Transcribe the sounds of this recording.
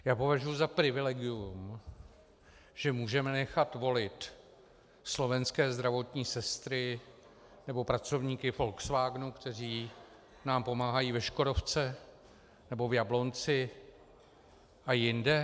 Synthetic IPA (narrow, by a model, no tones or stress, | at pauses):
jaːpo̞vaʒujuzapɾɪvɪlɛɡɪum | ʒ̥ɛmuːʒɛmɛnɛxat̪vo̞lɪt̪ | slo̞vɛnskɛːzd̪ɾavo̞t̪ɲiːsɛst̪ɾɪ | nɛbo̞pɾat͡so̞vɲiːkɪfo̞lksvaːɡnukt̪ɛr̝iː | naːmpo̞maːɦajiːvɛʃko̞ɾo̞ft͡sɛ | nɛbo̞vjablo̞nt͡sɪ | ʔajɪndɛ